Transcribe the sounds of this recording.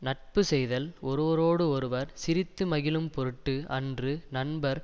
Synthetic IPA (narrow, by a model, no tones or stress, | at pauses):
nɐʈ̚pɯsɛjðɐlɔɾɯʋɐɾoːɽɯɔɾɯʋɐɾsɪɾɪt̪ːɯmɐɣɪlɯmpɔɾɯʈːɯʔɐ̰ndrɯnɐnbɐɾ